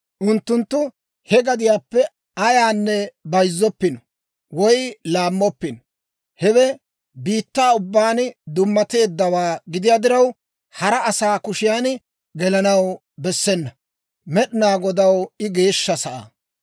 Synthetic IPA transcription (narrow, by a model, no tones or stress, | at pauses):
ʔʊnt̪ːʊnt̪ːʊ | hɛɡɐd̪ɪjaːpːɛ | ɐjaːnːɛbɐjzːɔpːɪnɔ | wɔjlaːmːɔpːɪnɔ | hɛwɛ | biːt̪ːaːʊbːaːnd̪ʊmːɐt̪e̞ːd̪ːɐwaːɡɪd̪ɪjaːd̪ɪɾɐw | hɐɾɐɐsaːkʊʃɪjaːn | ɡɛlɐnɐw | bɛsːɛnːɐ | mɛɗɪnaːɡɔd̪ɐwɪɡe̞ːʃːɐsɐʔa̰